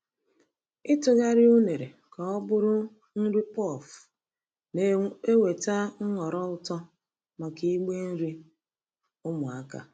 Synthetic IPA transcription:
ɪ˦tʊ˨ɣa˦ɾɪ˦u˦ne˨ɾe˨ | ka˨ɔ˦bʊ˦ɾʊ˦ | n̩˦ɾi˦pɔ˦˨f | ne˦we˨ta˦ŋ̩˦ŋɔ˨ɾɔ˦ʊ˦˨tɔ˦ | ma˨ki˦ɡ͡be˦n̩˦ɾi˦ | ʊ˦mʊ˨a˦ka̰˨

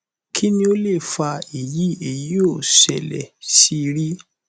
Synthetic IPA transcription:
kʰi˦nĩ˧o˦le˦˨fa˧e˨ji˨˦e˨ji˦o˦˨sɛ̰˨lɛ̰˨si˦˧ɾi˦

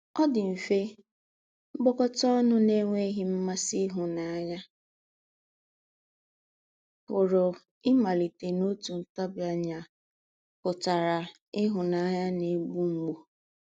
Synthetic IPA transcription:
ɔ˦dɪ˨m̩˨fe˦ | ŋ͡m̩˦ɡ͡bɔ˦kɔ˦tɔ˦nʊ˦ne˦ŋʷe˦ɦɪ˨˦m̩˦ma˦si˦ɦʊ˨na˨a˦ɲa˦ | kʊ˨ɾo˨ | ɪ˦ma˨li˨te˨no˦tu˨n̩˨ta˦bja˦ɲa˨ | kʊ˨ta˨ɾa˨ | ɪ˦ɦʊ˨na˨˦ɲa˦ne˦ɡ͡bu˦ŋ͡m̩˨ɡ͡bo˨

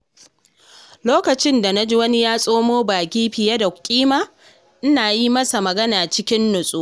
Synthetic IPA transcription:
loː˦kɐ˨t͡ʃɪ˦nda˨na˦d͡ʒi˦wɐ˦ni˦jaː˦sʼoː˦moː˦baː˨kʲiː˦ɸɪ˨ja˦da˨kʲʼiː˦maː˦ | ʔɪ˦naː˨ji˦mɐ˦sa˨mɐ˨ɡɐ˦naː˨t͡ʃɪ˦kʲɪ˦nːʊ˨sʼu˦

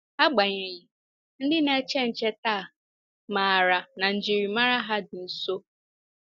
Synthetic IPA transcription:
a˦ɡ͡ba˨ɲe˨ɲi˨ | n̩˦dɪ˦ne˦t͡ʃe˦n̩˨t͡ʃe˦ta˦˨ | ma˨ɾa˨na˨n̩˨d͡ʒi˨ɾi˨ma˦ɾa˦ɦa˦dɪ˨n̩˨so˦

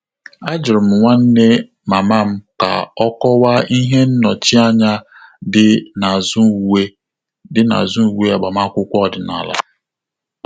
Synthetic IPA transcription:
a˦d͡ʒɪ˨ɾm̩˨ŋʷa˦n̩˦ne˦ | ma˨ma˦˨m̩˦ka̰˨ɔ˦kɔ˦wa˦i˦ɦe˦n̩˦nɔ˨t͡ʃi˦a˦ɲa˦ | dɪ˦na˨zu˦e˦ | dɪ˦na̰˨zu˦u˨we˦a˨ɡ͡ba˨ma˦kʷʊ˦kʷɔ˦˨dɪ˨na̰˨la̰˦

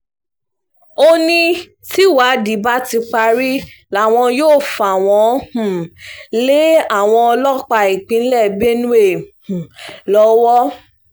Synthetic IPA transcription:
o˦nĩ˦ | ti˦˨wa˨˦di˨ba˦ti˧k͡pa˧ɾi˦la˦˨w̃ɔ̃˧joː˦˨fa˨w̃ɔ̃˧˦hũ˨le˦a˦˨w̃ɔ̃˧ɔ˧lɔ˦k͡pa˧i˨k͡pĩ˨˦n̩˦lɛ˦˨be˦nũ˦e˦˨hũ˨lɔ˨˦wɔ˦

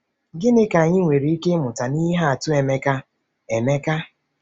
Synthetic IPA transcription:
ɡɪ˦nɪ˦ka˨ɲɪ˦ŋʷe˨ɾi˨˦i˦ke˦mʊ˨ta˨ni˦ɦa˦a˨tʊ˦e˨me˦ka˦ | e˨me˦ka˦

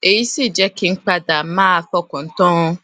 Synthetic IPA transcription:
e˨ji˦si˦˨d͡ʒɛ˦kɪ˦ŋ͡m̩˦k͡pa˦da˨˦mãː˦a˦fɔ˦kʊ̃˨n̩˦tɔ̃˦

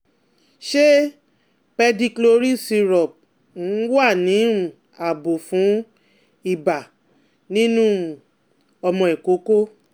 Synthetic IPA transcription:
ʃe˦ | k͡pɛ˧di˧klo˧ɾi˦si˧ɾɔ˨p̚ | n̩˨˦wa˦˨nĩ˨˦˨ | a˨bo˨fũ˨˦ | i˦˨ba˨ | nĩ˦nũ˦ | ɔ˧mɔ̃˧ɛ˨ko˨˦ko˦

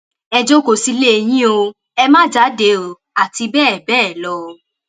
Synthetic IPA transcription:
ɛ˧d͡ʒo˦ko˨si˧le˦e˧j̃ĩ˦o˧ | ɛ˧mã˦d͡ʒa˨˦de˨˦o˨ | a˨ti˧bɛː˦˨bɛː˦˨lɔ˨˧

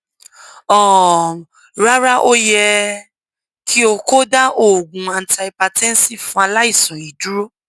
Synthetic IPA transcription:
ɔ˦˨ | ɾa˦ɾa˦ʔo˦jɛ˧ | kʰi˦o˧ko˦da˦ʔo˦˨ɡũ˨a˧n˨ta˧i˧pa˧tɛ̃˦n̩˦si˦˨fũ˦a˧la˦i˦˨sũ˨i˨du˦ɾo˦

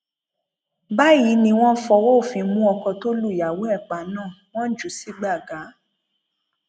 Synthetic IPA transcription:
ba˦˨ji˨˦nĩ˧w̃ɔ̃˦fɔ˧wo˦˨fi˧mũ˦ɔ˧kɔ˧to˦lu˦˨ja˨wo˨˦ɛ˦˨k͡pa˨nãː˦˨ | w̃ɔ̃˦d͡ʒu˨˦si˨˦ɡ͡ba˦˨ɡa˨˦

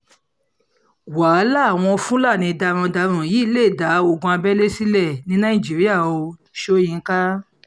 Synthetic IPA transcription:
waː˨˦la˦˨w̃ɔ̃˧fũ˦la˦˨nĩ˧da˧ɾ̃ɔ̃˧da˧ɾ̃ũ˨ji˨˦le˦˨da˨˦o˨ɡũ˧a˧bɛ˦le˦si˦lɛ˦˨nĩ˨˦nã˦ĩ˨d͡ʒi˨˦ɾi˦a˦˨o˧ | ʃo˦j̃ĩ˧˦ka˦

